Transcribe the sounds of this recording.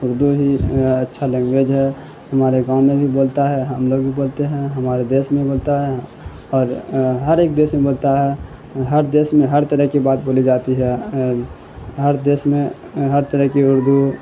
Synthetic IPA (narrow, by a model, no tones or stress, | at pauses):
ʊɾd̪uɦiətːʃʰalɛ̃ːŋɡɡed͡ʒɦɛ | hɐmaːɾeɡãːʊ̃nmẽbʱiboːlt̪aɦɛɦəmloːɡbiboːlt̪eɦɛ̃ɦɐmaːɾed̪eːsmẽboːlt̪aɦɛ | ɔːɾɦəɾeːk̚d̪eːsmẽboːlt̪aɦɛ | ɦəɾd̪eːsmẽɦəɾt̪əɾəɦkibaːt̪boːlid͡ʒaːt̪iɦɛ | ɦəɾd̪eːsmẽ | ɦəɾt̪əɾəɦkiʊɾd̪ʱu